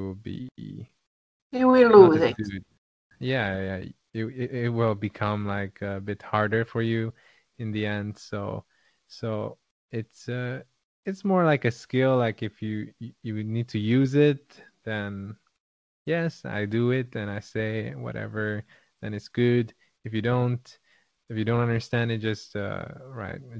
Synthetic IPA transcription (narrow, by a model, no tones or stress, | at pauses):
lˠbḭ | ɨwiluzɪ̥ʉd̚ | jæjæ | ɪɪɪt̚wɪlˠbɨkʰʌ̃mlaɪkʰəbɪt̚hɑɹɾə˞fə˞jʉ | ɨ̃nðiɛ̃nd̥soʊ | soʊ | ɪtsʌ | ɨtsmɔɹlaɪkɨskɪlˠlaɪkɨfjɨjjɨnid̚tʰɨjʉzɪt̪̚ðɨ̃n | jɛsa̰ɪdɨɪt̚ðɨ̃naɪseɪwʌ̰ɾɛ̰və˞ | ðɨ̃nɨtsɡ̥ʊd | ɨfjɨɾõʊ̃nt | ɨfjɨdõʊ̃ntʌ̃ndə˞stæ̃ndɨt̚d̥ʒ̥ʌstʌ̰ɹa̰ɪt̚